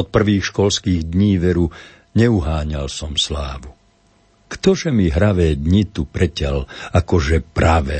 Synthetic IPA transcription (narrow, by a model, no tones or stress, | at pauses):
ɔt̪̚pr̩ʋiːxʃkɔlskiːɣd̪ɲiːʋɛɾu | ɲɛuɦaːɲalsɔmslaːʋu | kt̪ɔʒɛmiɦɾaʋɛːd̪ɲit̪upɾɛcalakɔʒɛpɾaʋɛː